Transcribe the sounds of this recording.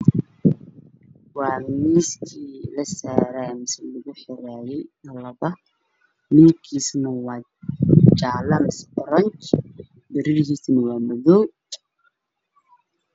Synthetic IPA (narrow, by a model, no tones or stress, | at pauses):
wɑːmiːskʰiːlɐsaːɾaːmɪsɛlʊɣʊħɪɾaːjɛjnɐlɐβɐ | nɪŋkʰiːsnɐwɑː | t͡ʃaːlɐmɪsɛʔʊɾɐnt͡ʃ | b̪ɪɾɪɾɪhiːsnɐwaːmɔðɔw